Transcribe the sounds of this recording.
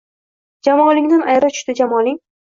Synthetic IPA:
d͡ʒamɒlɪŋd̪anʔajɾat͡ʃʰʊ̥ʃt̪ɪd͡ʒamɒlɪŋ

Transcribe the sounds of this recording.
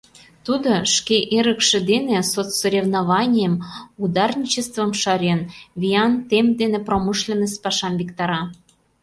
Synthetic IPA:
t̪ud̪oʃkeʔeɾə̆kʃĕd̪enesot͡sːoɾʲevnɑβɑnʲijəmud̪ɑrnʲit͡ɕest̪və̆mʃɑɾʲenvʲijɑnt̪emd̪enepromɨʃlʲenəspɑʃɑmvʲikt̪ɑɾɑ

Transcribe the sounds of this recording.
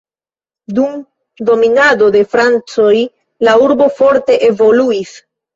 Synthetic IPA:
dum | do̞minado̞de̞fɾant͡so̞j | lauɾbo̞fo̞ɾte̞ʔe̞vo̞luis

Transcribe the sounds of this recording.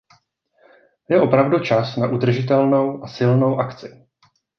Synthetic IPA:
jɛʔo̞pɾavdut͡ʃasnaʔud̪r̩ʒɪt̪̬ɛlno̞wʔasɪlno̞wʔakt͡sɪ

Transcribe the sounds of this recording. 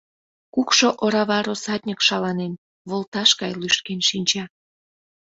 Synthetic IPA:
kukʃoʔoɾɑβɑɾosɑt̪̚ʲnʲəkʃɑlɑnen | βolˠt̪ɑʃkɑjlyʃt̪̚kenʃinʲt͡ɕɑ

